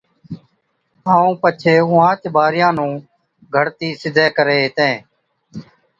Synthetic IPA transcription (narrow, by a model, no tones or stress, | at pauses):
aːũːpət͡ʃʰeːʊ̃ːãːt͡ʃbaːɾɪjãːnũː | ɡʱəɽt̪iːsɪd̪ʱeːkəɾeːɦɪt̪ẽː